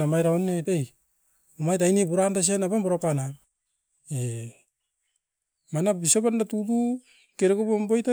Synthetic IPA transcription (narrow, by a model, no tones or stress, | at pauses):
namajɾaonːetej | omajtajnibuɾandas̬anabamboɾapana | e | manabisobandatutu | keɾeɡobombojta